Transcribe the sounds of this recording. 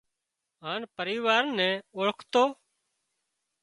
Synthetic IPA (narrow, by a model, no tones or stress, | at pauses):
ɦaːnpəɾiːʋaːɾnɛ̃ːoɭəkʰt̪oː